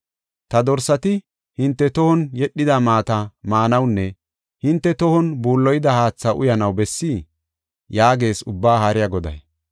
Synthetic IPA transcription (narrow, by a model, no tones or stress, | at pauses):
t̪ɐd̪ɔɾsːɐt̪ɪ | hɪnt̪ːɛt̪ɔhɔnjɛɗːɪd̪ɐmaːt̪ɐmaːnɐwnːɛ | hɪnt̪ːɛt̪ɔhɔnbuːlːɔjɪd̪ɐhaːt͡sːɐʔʊ̰jɐnɐwbɛsːiː | jaːɡe̞ːsʊbːaːhaɾɪjɐɡɔd̪ɐ̰j